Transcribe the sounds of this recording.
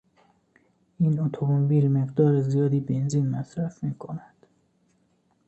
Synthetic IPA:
ʔiːnot̪ʰomomobiːlme̞ɣd̪ɒːɾezijɒːd̪iːbe̞nziːnmæsɾæfmiːkʰo̞næd̪̥

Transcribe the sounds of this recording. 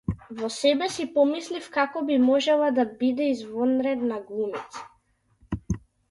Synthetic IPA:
vɔsɛbɛsipɔmislifkakɔbimɔʒɛlˠad̪abid̪ɛizvɔnɾɛd̪naɡlˠumit̪sḁ

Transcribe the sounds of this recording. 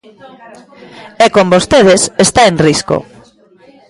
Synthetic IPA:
ɛkombost̪eð̞esest̪aenrisko̰

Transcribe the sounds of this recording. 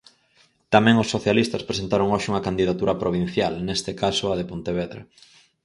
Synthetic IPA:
t̪amɛ̃ŋʊsːoθjalist̪ɐspɾesent̪aɾoŋoʃɪuŋɐkand̪iðat̪uɾɐpɾoβ̞in̟θjalnest̪ɪkasʊɐðepont̪eβeðɾḛ

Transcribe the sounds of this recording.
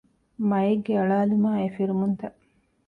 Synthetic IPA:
mɐjeɡːeɐɭaːlumaːefiɾumunt̪ɐʔ

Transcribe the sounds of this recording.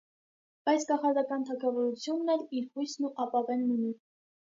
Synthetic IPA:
b̥ɑjt͡sʰkɑχɑɾd̪ɑkɑnt̪ʰɑkʰɑvɔɾut͡sʰjunːɛliɾhujsʰnuʔɑpɑvɛnːuni

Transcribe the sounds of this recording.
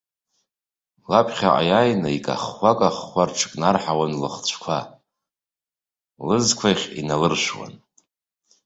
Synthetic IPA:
lapʰχʲa̰ʔa̰jajnaikʼa̰χːʷakʼaχʷarʈ͡ʂʰɨ̥kʼnarħawanlɨχt͡ɕʷʰkʷʰa | lɨzkʷʰaχʲḭnalɨrʃwa̰n

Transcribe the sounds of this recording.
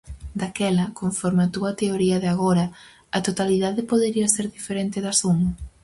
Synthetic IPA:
d̪akɛlɐkoɱfɔɾmeat̪uɐt̪eoɾiɐðeaɣoɾɐ | ɐt̪ot̪aliðaðɪpoðeɾiɐseɾðifeɾent̪ɪðasuŋ

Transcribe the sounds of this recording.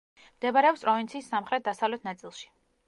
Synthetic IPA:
md̪̥ɛbaɾɛɔpspʼɾɔvint̪sʰiːsːamχɾɛt̪̚ʰd̪asavlɛt̪ʰnat̪sʼilˠʃi̥

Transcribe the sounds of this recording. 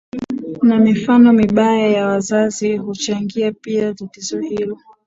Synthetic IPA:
namifanɔmiɓajajawazazihut͡ʃaŋɡiapiatatizɔhilɔ

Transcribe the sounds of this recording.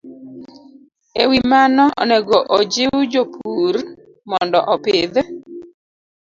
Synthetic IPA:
ewimanɔʔɔ̰nɛɡɔʔod͡ʒɪwd͡ʒopʰur | mɔndɔʔɔpɪd̪

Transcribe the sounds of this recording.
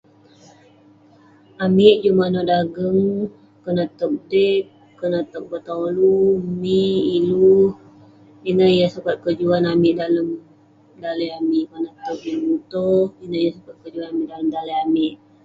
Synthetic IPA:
amɪʔd͡ʒumanɔʔdaɡəŋ | kənat̪ək̚dɛk | kːənat̪ək̚bət̪alumiiluh | inəhjasəkat̪̚kəd͡ʒuanamɪʔdaləm | daləjamiʔkənaʔauʔilmut̪ɔhinəjasəkat̪̚kəd͡ʒuanamɪʔdaləmdaləjamɪʔ

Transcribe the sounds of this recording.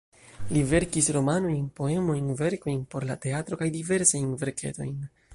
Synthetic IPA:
live̞ɾkisɾo̞mano̞jnpo̞e̞mo̞jnve̞ɾko̞jnpo̞ɾlate̞atɾo̞kajdive̞ɾsajnve̞ɾkʰḛto̞̰jn

